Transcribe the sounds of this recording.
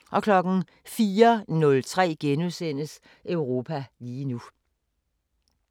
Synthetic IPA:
ʔɒ̽kʰlɒ̽ɡ̥n̩ | fiːɐnɔ̽lt͡sʰʁɛ̰ːɡ̥enusen̰əs | ʔœʊʁo̝ːpʰæliːnu

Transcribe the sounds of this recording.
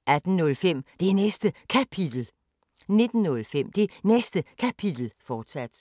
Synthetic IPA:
ʔæd̥n̩ːɔ̽lfem̰d̥e̝nesd̥əkʰæpʰid̥l̩ | ne̝d̥n̩ːɔ̽lfem̰d̥e̝nesd̥əkʰæpʰid̥l̩fɒːd̥sæd̥

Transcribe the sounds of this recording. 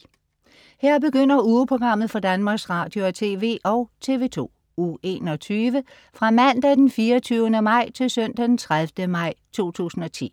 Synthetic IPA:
heɐ̰b̥e̝ɡ̥øn̰ɐuːpʰʁo̝ɡ̥ʁɑ̈m̰ð̩ˠfɒ̽d̥ænmɑ̈ːɡ̥sʁɑ̈ːd̥jo̝æt͡sʰe̝ːʋe̝̰ːʔɒʊt͡sʰe̝̰ːʋe̝ːt͡sʰo̝̰ː | ue̝ːnɒ̽t͡sʰyːʋə | fʁɑ̈mæn̰d̥æd̥enfiːɒt͡sʰyːʊənəmɑ̈ɪ̰t͡sʰe̝lsœn̰d̥æd̥ent͡sʰʁaðfd̥əmɑ̈ɪ̰t͡sʰo̝̰ːt͡sʰṵːsn̩ɒ̽t͡sʰḭː

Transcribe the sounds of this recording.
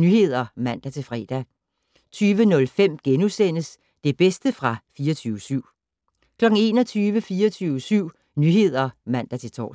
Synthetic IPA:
nyhe̝ð̰ˠɐmæn̰d̥æt͡sʰe̝lfʁɛ̰ːd̥æ | t͡sʰyːʋənɔ̽lfem̰ɡ̥enusen̰əs | d̥e̝b̥esd̥əfʁɑ̈fiːɒt͡sʰyːʊʋəsyʊ̰ | kʰlɒ̽ɡ̥ŋ̩e̝ːnɒ̽t͡sʰyːʋəfiːɒt͡sʰyːʊəsyʊ̰ | nyɦe̝ð̞̰ˠɐmæn̰d̥æt͡sʰe̝lt͡sʰɒ̰ː

